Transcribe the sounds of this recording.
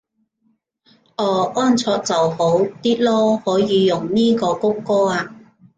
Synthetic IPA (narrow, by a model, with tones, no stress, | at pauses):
ʔɔː˨˧˩ʔɔː˥nt͡sʰɔː˧k̚t͡sɐ˨who˨˥wt̪iː˥t̚lɔː˥hɔː˨˥jiː˨˧jʊ˨˩ŋniː˥kɔː˧kʊ˥wkɔː˥aː˧